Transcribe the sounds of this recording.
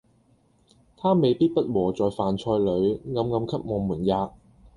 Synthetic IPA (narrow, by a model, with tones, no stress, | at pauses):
t̪ʰaː˥me˨jpiː˥t̚pɐ˥t̚wɔː˨˩t͡sɔː˨jfaː˨nt͡ʃʰɔː˧jlɵ˨˧ɥŋɐ˨˧mŋɐ˨˧˥mkʰɐ˥p̚mɔː˨˧muː˨˩njaː˨˧k̚